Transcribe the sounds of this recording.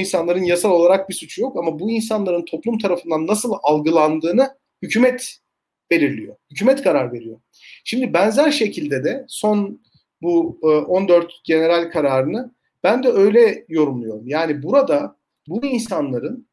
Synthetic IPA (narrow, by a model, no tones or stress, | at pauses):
insanlˠaɾɯnjasalˠo̞lˠaɾak̚bisut͡ʃʰujo̞kamabuinsanlˠaɾɯnt̪ʰo̞plˠumt̪ʰaɾafɯnd̪anːasɯlˠalˠɡɯlˠand̪ɯːnɯ | hycʰyːmɛt̪ | b̥e̞lʲiɾlʲijo̞̰hycʰyːmɛt̪kʰaɾaɾve̞ɾijo̞̰ | ʃimd̪ibɛnzæɾʃe̞cʰilʲd̪ɛd̪ɛso̞n | buʔo̞nd̪ø̞ɾt̪ɟe̞ne̞ɾalʲkʰaɾaːɾɯnɯ | b̥ænd̪ɛø̞jlʲɛjo̞ɾumlˠujo̞ɾumjaːnibuɾad̪a | buinsanlˠaɾɯn